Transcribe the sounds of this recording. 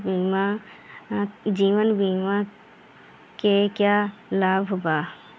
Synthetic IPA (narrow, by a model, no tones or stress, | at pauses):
bima | d͡ʒiːwənbʱiːma | kekjalaːbʱobaː